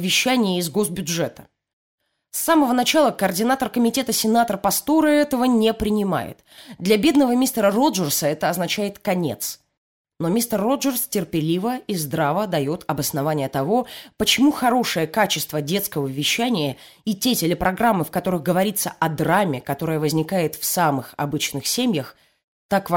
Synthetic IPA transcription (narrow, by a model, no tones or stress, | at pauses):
vʲɪɕːænʲɪjəɪzɡo̞sbʲʊʐɛt̪ə̥ | sːaməvənɐt͡ɕalˠəkəːrdʲɪnat̪ərkəmʲɪtʲe̞t̪əsʲɪnat̪ərpɐst̪o̞ɾɨɛt̪əvənʲepɾʲɪnʲɪma̰jɪ̰t̪d̪lʲɐbʲe̞d̪nəvəmʲist̪əɾəro̞ʐərsəɛt̪əɐznɐt͡ɕæjɪt̪kɐnʲe̞̰t̪s | no̞mʲist̪ərːo̞ʐərstʲɪrpʲɪlʲivəizd̪ɾavəd̪ɐjo̞t̪ɐbəsnɐvanʲɪjət̪ɐvo̞pət͡ɕɪmuxɐɾo̞ʂɨjəkat͡ɕɪst̪vədʲe̞t̪skəvəvʲːɪɕːænʲɪjə | itʲetʲɪlʲɪpɾʔɐɡɾamːɨfkɐt̪o̞ɾɨɣɡəvɐɾʲit̪sə̰ʔɐd̪ɾamʲɪkɐt̪o̞ɾɨjəvəzʲnʲɪkajɪt̪fsamɨxɐ̰bɨt͡ɕnɨxsʲemʲjəx | t̪akv